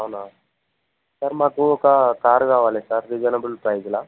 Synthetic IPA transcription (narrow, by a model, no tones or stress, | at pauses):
awna | sɐɾmaːkuɔkɐkaːɾkaːʋaːlesaɾːid͡ʒɐnɐbulpɾɐjd͡ʒla